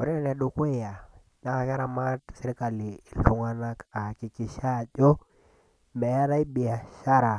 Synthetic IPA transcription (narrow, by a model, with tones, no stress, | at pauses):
o˨ɾi˦na˦n˨a˨du˨kwe˦˨ja˨ | ɲa˦ka˨ʃa˦ɾa˨ma˦tsi˦ɾka˨liː˨lu˨ŋa˦na˦ka˨ki˨ki˨ʃa˦˨d͡ʒɔ˦ | mɛ˨ja˦ɾa˦i˦bi˨a˨ʃa˦ɾa˨